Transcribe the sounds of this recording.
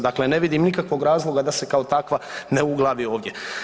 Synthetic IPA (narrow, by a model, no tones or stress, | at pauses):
d̪akle̞ne̞ʋid̪imnikakʋo̞ɡɾaːzlˠo̞ɡad̪ase̞kao̞t̪akʋane̞uɡlˠaʋio̞ːʋd̪je̞